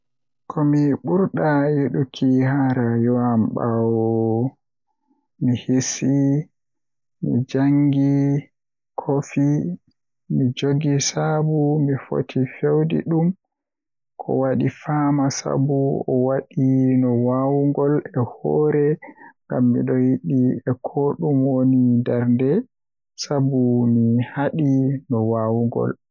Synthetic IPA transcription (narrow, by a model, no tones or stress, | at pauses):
kʰɔmiɓuɾɗajeɗukʰihaɾajɔamɓawɔ | mihisi | mḭd͡ʒaŋɡi | kʰofi | mid͡ʒoɡisabumifo̰tʰifewdḭɗum | kʰɔ̰waɗifamasa̰buɔwaɗinɔwawuŋɡɔlɛhɔɾɛŋɡamːḭɗɔjiɗiɛkʰɔɗumwonindɛɾndɛ | sabumihaɗinɔwawuŋɡɔ̰l